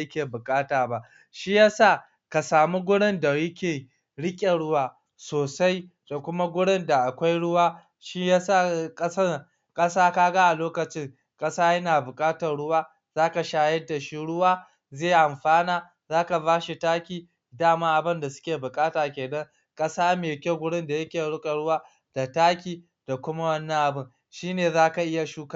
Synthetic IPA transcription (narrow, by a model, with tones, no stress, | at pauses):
jɪ˦kʲeː˨bʊ˨kʼaː˦taː˨ba˦ʔ | ʃi˦jaː˦saː˦˨ | ka˨saː˨mi˦ɡʷʊ˦ɽɪ˦nda˨jɐ˦kʲeː˨ | ɽɪ˦kʲʼe˨ɽʊ˦waː˦ | soː˨sa˦j | d̥a˨kʷʊ˦ma˦ɡʷʊ˦ɽɪ˦nda˨ʔa˨kʷa˦jɽʊ˦waː˦ | ʃi˦ja˦sa˦˨kʼɐ˦sɐ˦ | kʼɐ˦saː˦kaː˦ɡa˦ʔa˨loː˦kɐ˨t͡ʃɪ˦ŋ | kʼɐ˦saː˦jɐ˦naː˨bʊ˨kʼaː˦tɐ˨rɽʊ˦waː˦ | zaː˦ka˨ʃaː˦jɐ˦da˨ʃi˦ɽʊ˦waː˦ | zeː˦˨ʔa˨mɸaː˦naː˨ | zaː˦ka˨baː˦ʃi˨taː˦kʲiː˨ | daː˦maː˦ʔa˨bɪ˦nda˨sʊ̥˦kʲeː˨bʊ˨kʼaː˦taː˨kʲeː˨dɐ˦ŋ | kʼɐ˦saː˦meː˨kʲe˦ɡʷʊ˦ɽɪ˦nda˨jɐ˦kʲeː˨ɽʊ˦kʼa˨ɽʊ˦waː˦ | d̥a˨taː˦kʲiː˨ | d̥a˨kʷʊ˦ma˦wɐ˦nːɐ̃˦ŋʔa˨bɪ˦ŋ | ʃiː˦neː˨zaː˦ka˨ʔɪ˦ja˨ʃuː˦ka˦˨